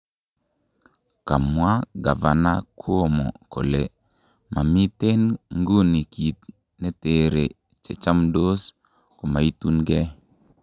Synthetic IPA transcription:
ka˨mwa˦ɡa˨va˨na˦kʰu˦o˦˨mo̰˨ko̰˨le˨ | mʔa˨mi˦te˦nŋɡu˦ni˨ki˨t̪̚ | ne˦te˨ɾe˨ | t͡ʃe˨t͡ʃa˦mdo˦s | ko˨ma˨i˦tu˦nɡe˦

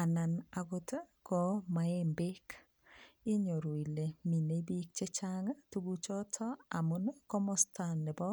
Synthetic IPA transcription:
a˨na˨na˨ɡo˦ta˦kɔ˦ma˨e˦mbe˦k | i˦ɲo˨ɾo˨i˨le˨mi˨ne˨˦bi˦k̚t͡ʃe˦t͡ʃaŋa˦tu˦ɡu˦t͡ʃɔ˦tʰɔ˦a˨mu˦n˦kɔ˦mɔ˦sta˨nːɪ˨bɔ˦

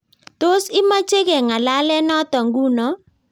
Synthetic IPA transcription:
t̪o˦sɪ˦ma˦t͡ʃe˦ɡe˨ŋa˨la˦lɛ˦nɔ˦t̪ɔ˨ŋɡu˦nɔ˨

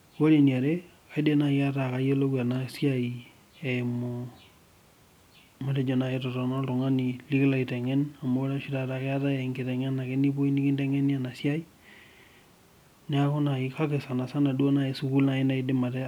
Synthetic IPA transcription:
wo˦le˨ni˨a˨ɾe˦ | ka˦i˦de˦na˨ja˦taka˨jo˦lo˦ka˨na˨sja˦i˨ | ɛ˨mo˨ | ma˨tɛ˦d͡ʒɔ˨na˨etɔ˨tɔ˨nɔ˦tɔ˨ŋa˦ni˨li˦kɪ˦la˨i˨tɛ˨ŋɛ˦na˨mo˦ɾa˦ʃi˦ta˨ta˨kɛ˦a˦ta˦ɛ˨ŋɡɪ˨tɛ˨ŋɛ˦na˨ke˦ni˦po˦i˦ni˦kɪ˦ndɛ˦ŋɛ˦ni˦a˨na˨sja˦i˦ | nɛ˦a˦ko˦na˨ika˦ke˨sa˨na˨sa˦na˨dwo˦na˨e˨su˦ku˦lna˦e˦na˦i˦de˦ma˨tɛ˦

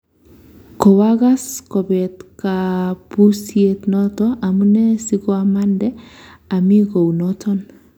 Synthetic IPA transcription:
kɔ˨waɡa˦skɔ˨bɛ˨tka˨pu˦sie˨tnɔ˦tɔʔa˨mu˦nɛ˦si˦ɡɔ˦a˨ma˦ndɛ˦a˨mi˦ɡo˨wnɔtʰɔ˦n

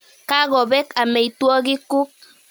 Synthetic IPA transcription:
ka˦ɣɔ˨bɛ˦ka˨mɛ˨i˨twɔ˦ɡɪ˦kʊ˦k̚

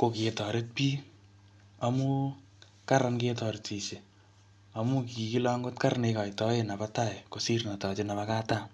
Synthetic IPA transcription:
ko˨ke˨tɔ˨ɾe˦t̚piː˦ | amu˦ | ka˦ɾanke˦tɔ˨ɾeti˨se˨ | a˨mu˦ki˨ki˦la˦ŋɡo˦tka˦rneka˨jtɔ˦e˨na˨pa˦ta˦˨eko˨si˦rna˨tɔ˨t͡ʃe˦na˨βa˦kaː˦ta˦

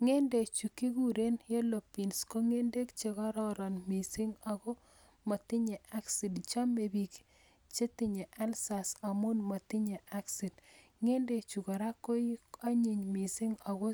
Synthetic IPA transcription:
ŋe˦nde˨t͡ʃu˨ki˦ku˦ɾe˦nje˦lo˨pi˨nsko˦ŋe˦nde˦kt͡ʃe˨kɔ˦ɾɔ˦ɾɔ˨nmi˨si˦ŋa˨ɡɔ˦ | ma˨ti˦ɲe˨ʔa˦ksi˨dt͡ʃa˦me˨bi˨k | t͡ʃe˦ti˦ɲe˨ʔa˦lsa˨sa˨mu˦nmo˨ti˦ɲe˨a˦ksi˨d | ŋe˦nde˨t͡ʃu˨kɔ˨ɾa˦kːo˦i˦a˦ɲi˨ɲmi˨si˦ŋa˨ɡo˦

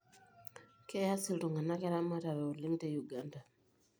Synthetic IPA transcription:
ke˦ja˦si˦ltu˨ŋɡa˨na˦ke˦ɾa˦mwa˦ta˨βe˨u˨li˦ŋte˦ju˨ɡanda˨

